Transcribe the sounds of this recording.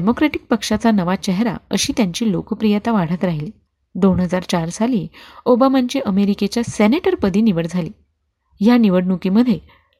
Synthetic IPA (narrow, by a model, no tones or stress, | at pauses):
ɖemokɾeʈik̚pəkʂat͡sanəʋat͡ɕɛɦɾa̰əɕiːt̪jaɲt͡ɕiːlokpɾijət̪aʋaɽ̤ət̪ɾaɦiliː | d̪oɳɦəd͡zaɾt͡ɕaɾsaliːobamaɲt͡ɕiʔəmeɾiket͡ɕjaseneʈəɾpəd̪ʱiːniʋəɽd͡zʱaliː | janiʋəɽnukiməd̪ʱje